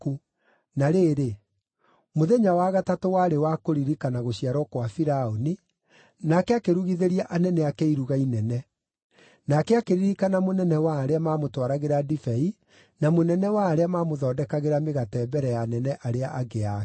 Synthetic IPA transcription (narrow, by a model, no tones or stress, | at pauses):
ku | naɾeːɾe | moðeɲawaɣatatowaɾewakoɾiɾikanaɣoɕiaɾɔkwafiɾaoni | nakɛakeɾuɣiðeɾiaʔanɛnɛakɛiɾuɣainɛnɛ | nakɛakeɾiɾikanamonɛnɛwaːɾeamaːmotwaɾaɣeɾadifɛi | namonɛnɛwaːɾeamaːmoðɔːdɛkaɣeɾameɣatɛbɛɾɛjanɛnɛʔaɾeaʔaɡea